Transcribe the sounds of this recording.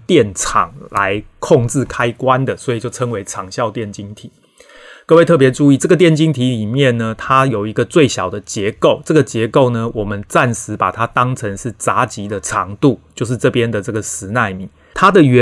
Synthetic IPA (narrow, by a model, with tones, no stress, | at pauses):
t̪jɛ˥˩nt͡sʰɑ̰˨˩ŋla̰˧˦ɪkʰo˥˧ŋʈ͡ʂɻ̩˥˩kʰa˥ɪkwa˦nd̪ə˨swɔ˧˥i˨˩t͡ɕjo˥˩ʊʈ͡ʂʰə˥ŋwe˧˥ɪʈ͡ʂʰɑ˨˩ŋɕjɑ˥˧ʊt̪jɛ˥˩nt͡ɕi˥ŋt̪ʰi˨˩˦ | kə˥˧we˥˧ɪɤ˥˩pjɛ˧˥ʈ͡ʂu˥˧i˥˩ʈ͡ʂɤ˥˩ɡə˩t̪jɛ˥˨nt͡ɕi˥ŋt̪ʰi˧˥li˨˩mjɛ˥˩nnə˩t̪ʰa˥jo˨˩ʊi˧˦˥ɡə˧t͡swe˥˩ɪɕjɑ˨˩ʊd̪ə˦t͡ɕjɛ˧˦ko˥˩ʊt͡sɤ˥˩ɡə˩t͡ɕjɛ˧˥ko˥˩ʊnə˨wɔ˨˩mə˦nt͡sa˥˩nʂɻ̩˧˥pa̰˨˩t̪ʰa˦˥t̪ɑ˦˥ŋt͡sʰə˧˦ŋʂɻ̩˥˩t͡sa˨˧˥t͡ɕi˧˥d̪ə˨ʈ͡ʂʰɑ˧˦ŋt̪u˥˨t͡ɕjo˥˧ʊʂ̬ɻ̩˥˧t͡sɤ˥˩pjɛ˦nd̪ə˨ʈ͡ʂɤ˥˩ɡə˩sɹɻ̩˧˥na˥˩ɪmi˨˩˦n | t̪ʰa˥d̪ə˨ɥɛ˧˦